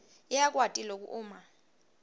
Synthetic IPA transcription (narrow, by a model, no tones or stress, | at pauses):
ɛjak̬ʼwatʼilok̬ʼṵʔuːma